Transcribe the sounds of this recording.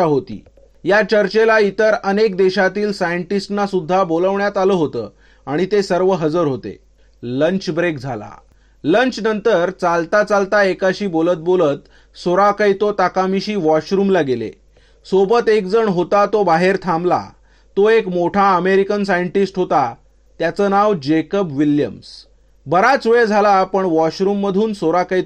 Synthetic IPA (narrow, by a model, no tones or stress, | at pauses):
aɦot̪ḭː | jat͡ɕəɾt͡ɕelait̪əɾənek̚d̪eɕat̪iːlsajəɳʈisʈnasud̪ʱːaboləʋɳjat̪aləːɦot̪ə̰ː | aɽ̃it̪esəɾʋəɦəd͡zəɾɦot̪ḛ | ləɲt͡ɕbɾekd͡zʱala̰ | ləɲt͡ɕnənt̪əɾt͡salt̪at͡salt̪aekaɕiːbolət̪̚bolət̪ | soɾakait̪ot̪akamiɕiːʋɔɕɾuːmlaɡelḛ | sobət̪ek̚d͡zəɳɦot̪at̪obaɦeɾt̪ʰamla̰ | t̪oekmoʈʰaəmeɾikənsajəɳʈisʈɦot̪a | t̪jat͡sənaʋd͡ʑekəpʋiljə̰ms | bəɾat͡sʋed͡zʱalapəɳʋɔɕɾuːmːəd̪ʱuːnsoɾakai